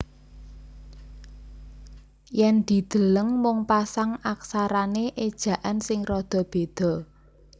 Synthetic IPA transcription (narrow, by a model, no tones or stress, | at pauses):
jɛnd̪̥i̤d̪̥ə̤ləŋmʊŋpasaŋaksaɾaneʔed̥ʒ̥ä̤ʔansɪŋrɔd̪̥ɔ̤b̥ed̪̥ɔ̤